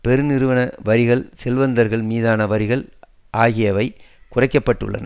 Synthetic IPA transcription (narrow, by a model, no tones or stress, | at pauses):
pɛɾɯnɪɾɯʋɐnɐʋɐɾɪɣɐɭsɛlʋɐnd̪ɐɾɣɐɭmiːðaːnɐʋɐɾɪɣɐɭ | ʔaːɣɪjɐʋɐɪkʊrɐɪkːɐpːɐʈːɯ̰ɭːɐ̰nɐ̰